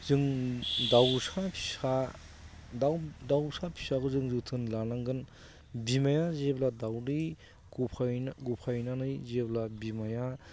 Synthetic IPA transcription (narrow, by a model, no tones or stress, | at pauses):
zɯŋdawsapʰi̥sa | dawdawsapʰi̥saɡuzɯŋzɯtʰɯnlanaŋɡɯn | bimajazebladawɾi | ɡupʰajnɡupʰajnanɯjzeblabimaja